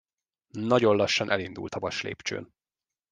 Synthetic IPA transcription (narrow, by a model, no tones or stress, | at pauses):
nɒɟo̞nlɒʃːɒnʔɛlind̪ṵlt̪ɒvɒʃlḛːpt͡ʃø̰ːn